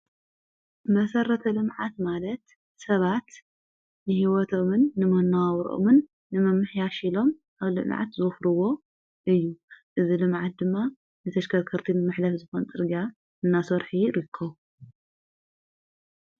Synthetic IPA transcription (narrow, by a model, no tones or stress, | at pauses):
mɐsɐɾɐt̪ʰɐlɨmʕat̪malɐt̪ | sɐβat̪ | nɨhiwɔt̪ʰomɨnːɨmɐnːawawɾʔo̰mɨnː | ɨmɐmːɨħjaʃilo̞mʔaβlɨ̰mʕa̰t̪zɨɨfɾɨwo̞ | ʔɨjːuʔɨzilɨmʕat̪̚d̪ɨmːa | nɨt̪ʰɐʃkʰɐɾkʰɨɾt̪ʰinɨmɨħlɐfzɨxont͡sʼɨɾɡa | ɨnːasoɾħiɾɨkʰːɐβ